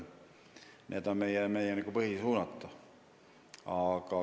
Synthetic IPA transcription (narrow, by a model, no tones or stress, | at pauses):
nʔeːd̪onmejɛmeijɛniɡ̥upɤhisuːnɑt̪ːu | ɑkɑ